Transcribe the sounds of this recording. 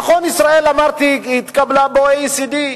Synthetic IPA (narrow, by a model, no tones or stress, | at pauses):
xonisɾaelamaɾt̪iit̪kʼablaboeisid̪i